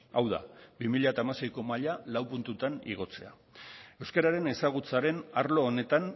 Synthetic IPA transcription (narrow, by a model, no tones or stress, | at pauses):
awða̰bimiʎat̪aːmase̞jko̞maʎalawpunt̪ut̪anḭɣ̞o̞t͡se̞̰a̰ | e̞wskeɾaɾe̞ne̞saɣ̞ut͡saɾe̞naɾlo̞ːne̞t̪an